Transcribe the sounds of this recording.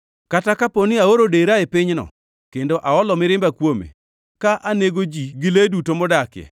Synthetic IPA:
katakaponiaoɾodeɾaepɪɲnɔ̰ | kendoʔaɔlɔmɪɾɪmbakwomḛ | kaʔaneɡod͡ʒiɡɪledutomɔdakjɛ̰

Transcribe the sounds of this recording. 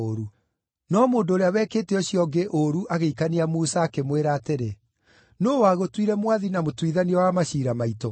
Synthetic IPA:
oɾu | nɔmoːndoːɾeawɛkeːtɛɔɕiɔɡeʔoɾuʔaɣeikaniamusaːkemweɾaːteɾe | noːwaːɣotwiɾɛmwaðinamotwiðaniɔwamaɕiːɾamaito

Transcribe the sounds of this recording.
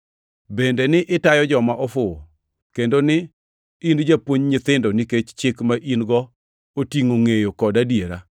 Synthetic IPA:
bendenɪʔɪtajɔd͡ʒɔmaʔɔfʊo | kendonɪ | ind͡ʒapwoɲɲɪt̪ɪndoniket͡ʃt͡ʃɪkmaʔinɡɔ | otiŋoŋejokɔdadjeɾa

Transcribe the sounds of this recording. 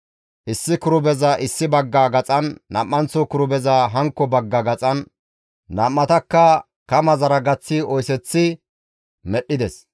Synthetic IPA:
ʔɪsːɪkʊɾʊbɛzɐʔɪsːɪbɐɡːaːɡɐt͡sʼɐnːɐmːɐnt͡sɔkʊɾʊbɛzɐɦɐŋkːɔbɐɡːɐɡɐt͡sʼɐnː | ɐːmːɐt̪ɐkːɐ | kɐmɐzɐɾɐɡɐt͡sːɪɔjsɛt͡sːɪ | mɛɗːɪd̪ɛs

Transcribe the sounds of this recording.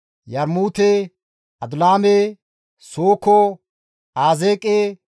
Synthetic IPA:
jɐɾmuːt̪eː | ɐd̪ʊlaːme | soːkɔ | aːzeːkʼeː

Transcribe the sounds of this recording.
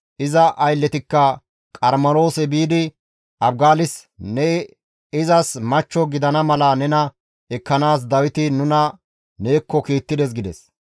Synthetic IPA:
ʔɪzɐʔɐjlːɛt̪ɪkːɐ | kʼɐɾmɐɾo̞ːsɛbiːd̪ɪ | ɐb̚ɡaːlɪsnɛ | ɪzɐsmɐt͡ʃːɔɡɪd̪ɐnɐmɐlɐnɛnɐ | ɛkːɐnaːs̬d̪ɐwɪt̪ɪnʊnɐ | ne̞ːkːɔkiːt̪ːɪd̪ɛs̬ɡɪd̪ɛs

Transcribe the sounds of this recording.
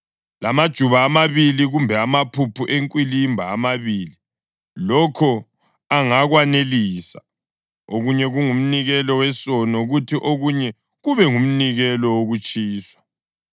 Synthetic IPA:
lamad̥ʒ̥ʱuβaːmaβiliɣumbʱɛamapʰupʰuʔeŋkʼwilimbʱaːmaβiːli | lɔkʰɔ | aŋaɣwaneliːsa̰ | oɣuɲɛɣuŋum̩niɣɛlɔwɛsɔnɔɣutʰiʔoɣuɲɛ | ɣuβɛŋum̩niɣɛlɔwoɣut͡ʃʼiːswḁ

